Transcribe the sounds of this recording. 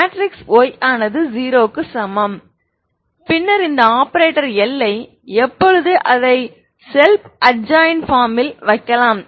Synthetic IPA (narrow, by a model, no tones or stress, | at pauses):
maːʈɾɪksoːjaːnɐðɯziːɾoːkːɯsɐmɐm | pɪnːɐɾɪnd̪ɐaːpɐɾeːʈːɐɾɛlːɐɪ | ɛpːɔɻɯðɯʔɐðɐɪ | sɛlpʔɐɖ̚d͡ʒaːjnfaːɾmɪlʋɐɪkːɐlaːm